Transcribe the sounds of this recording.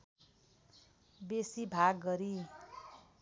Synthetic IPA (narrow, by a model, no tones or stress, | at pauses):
besibʱaɡːʌɾi